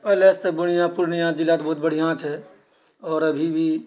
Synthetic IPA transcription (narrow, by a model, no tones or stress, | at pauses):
pɛɦlest̪əbuɽijãpuɾnijãd͡ʒilːaːt̪bɔɦut̪̚bəɽ̤ijãt͡ʃɦɛ | ɔːɾəbʱibʱi